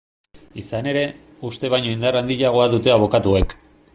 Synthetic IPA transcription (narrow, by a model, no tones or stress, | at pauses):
isane̞ɾe̞ | ust̪e̞β̞ajɲo̞ind̪arand̪iʎaɣ̞o̞aðut̪e̞aβo̞kat̪ue̞k